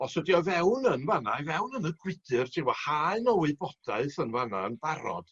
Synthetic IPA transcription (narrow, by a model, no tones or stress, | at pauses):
ɔsədiɔvɛwnənvanavɛwnənəɡwɪd̥ɨrdʰɪwɔhaɨnɔwɪɨbɔd̥aɨθənvanaənb̥aɾɔ̰d̥